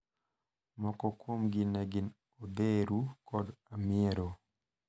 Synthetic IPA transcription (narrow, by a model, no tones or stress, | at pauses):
mɔkɔkwomɡɪnɛɡɪn | od̪eɾukɔdamɪɛɾo